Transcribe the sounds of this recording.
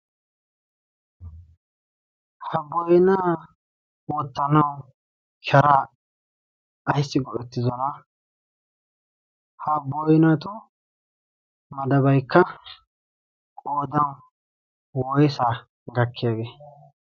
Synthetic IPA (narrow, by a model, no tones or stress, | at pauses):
hɐbɔjɪnaː | wɔt̪ːɐnɐw | kʰɛɾaː | jsːɪɡɔʔɛt̪ːɪzɔnɐ | hɐbːɔjnɐt̪ʊ | mɐd̪ɐbɐjkːɐ | kʼoːd̪ɐw | wɔjɪsaː | ɡɐkːɪjaːɡeː